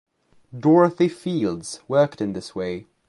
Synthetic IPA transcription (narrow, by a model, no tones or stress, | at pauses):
dɔɹɨθifilˠdz̥wɜ˞ktɨ̃nðɪsweɪ